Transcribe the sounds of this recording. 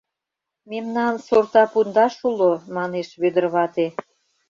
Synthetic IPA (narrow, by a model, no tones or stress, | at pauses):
memnɑnsort̪ɑpund̪ɑʃulomɑneʃβød̪ərβɑt̪e